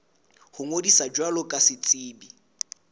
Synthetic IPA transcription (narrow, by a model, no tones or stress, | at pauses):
hʊŋodisad͡ʒwalɔkʼasɪt͡sʼiːbi